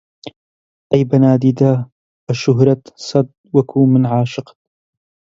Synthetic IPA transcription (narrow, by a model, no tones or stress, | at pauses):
ʔɐjbɐnaːd̪iːd̪a | ɐʃʊɦɾɐt̪sɐd̪̚ | wɐkʰuːmɪnʕaːʃɨqt̪